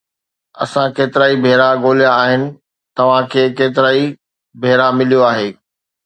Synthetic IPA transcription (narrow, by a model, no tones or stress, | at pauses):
ɐ̰sãkeːt̪ɪɾaːibʱeːɾaɡoːlijãaːɦɪnɪ̆ | t̪ɐʋ̤ãkʰeːkeːt̪ɪɾaːi | bʱeːɾamɪlijoaːɦeː